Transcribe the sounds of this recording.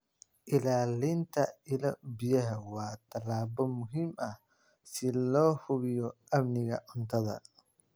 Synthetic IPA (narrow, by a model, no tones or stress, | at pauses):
ʔɪlaːlɪnt̪ʰɐɪlɐbɪjɐɦɐwɑːt̪ʰɐlaːbɔmʊɦiːmɐh | sɪlɔːhʊβɪjɔ | ɐmnɪɣɐʔʊnt̪ʰɐðɐ̰